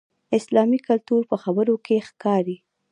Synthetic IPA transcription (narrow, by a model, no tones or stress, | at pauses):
ɪslɑmikalt̪uɾpəxabəɾokʰexkɑɾi